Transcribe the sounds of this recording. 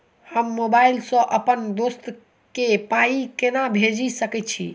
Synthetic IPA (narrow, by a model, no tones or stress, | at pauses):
həmːobailsə̃ʔəpənd̪ost̪ | kepaikenabʱed͡ʒisəkɛt̪̚t͡ʃʰḭ